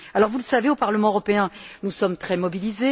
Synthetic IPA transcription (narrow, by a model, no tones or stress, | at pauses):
alɔʁvuləsaveopaʁləmɑ̃øʁɔpeɛ̃nusɔmt̪χɛmɔbilize